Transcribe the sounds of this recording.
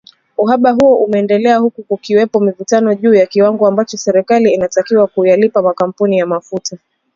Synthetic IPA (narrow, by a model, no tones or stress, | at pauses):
uɦaɓaɦuɔʔumɛːndɛlɛahukukukiwɛpɔmivutanɔʄuːjakiwaŋɡɔambat͡ʃɔsɛɾɛkaliːnatakiwakujalipamakam̩punijamafuta